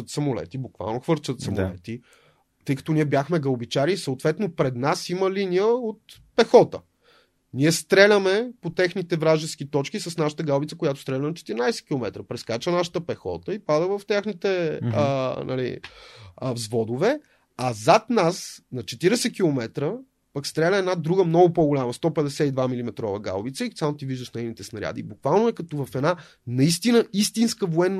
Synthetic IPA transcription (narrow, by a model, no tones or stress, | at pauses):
ət̪sɐmolɛ̰t̪ibokva̰lˠnoxvɤɾt͡ʃət̪sɐmo̰lɛ̰t̪i | t̪ɤjkə̥t̪ɔniɛbjaxmɛɡɐlbit͡ʃaɾiːsəot̪vɛt̪nopɾɛd̪nasiməlinijəot̪̚pɛxɔt̪ə̰ | niɛst̪ɾɛlʲəmɛpot̪ɛxnit̪ɛvɾaʒɛsk̟it̪ɔt͡ʃkisɐsnaʃə̥t̪əɡalˠbit̪səkojat̪o̥st̪ɾɛlʲənɐt͡ʃɛ̥t̪iɾinajsɛ̥k̟ilˠomɛt̪ɾəpɾɛskat͡ʃənaʃə̥t̪əpɛxɔ̰t̪əipad̪əvɐft̪ʲjaxnit̪ɛ | nʔɐ̰lḭ | zvɔd̪ovɛ | azat̪nasnɐt͡ʃɛt̪iɾɛsɛkilˠomɛt̪ɾə | pəkst̪ɾɛlʲəɛnad̪ɾuɡəmnɔɡʊpɔɡʊlʲaməst̪ɔpɛd̪ɛsɛid̪vamilimɛt̪ɾɔvəɡa̰lˠbit̪səik̪sat̪iviʒd̪əsnɛinit̪ɛsnɐɾʲja̰d̪ḭbukvalˠnoɛkɐt̪ɔvɐfɛd̪na | nɐist̪inəist̪inskəvoɛnː